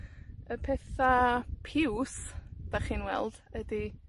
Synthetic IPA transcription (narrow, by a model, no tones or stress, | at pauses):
əpʰɛθapʰɪwsd̥aχiːnwɛ̰lˠd̥ədi